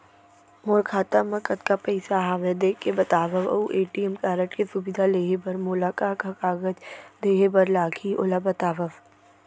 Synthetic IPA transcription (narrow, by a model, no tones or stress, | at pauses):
moːɾkʰaːt̪amɐ̃kɐt̪kapɐɪsaɦaːʋed̪ekebɐt̪aːʋəʋɐ̰uʔeːʈiɛmkaːɾəʈkesʊbɪd̪ʱaleːɦebɐɾmʊlaːkaːkakaːɡəd͡ʒd̪eːɦebəɾlaːkʰiʔo̰labɐt̪aːʋəʋ